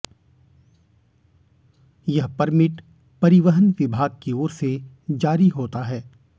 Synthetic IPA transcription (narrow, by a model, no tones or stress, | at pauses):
jɐɦpɐɾmɪʈ | pɐɾɪʋəɦənʋɪbʱaːɡ̚keoːɾse | d͡ʒaːɾiɦoːt̪aɦɛː